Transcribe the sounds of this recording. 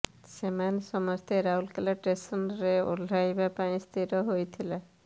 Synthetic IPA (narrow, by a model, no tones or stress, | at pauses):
semansɔmɔst̪ʰeɾaɦulkelaʈɾesɔnɾeṵl̤ʱajbapaĩst̪ʰiɾɔɦojt̪ʰila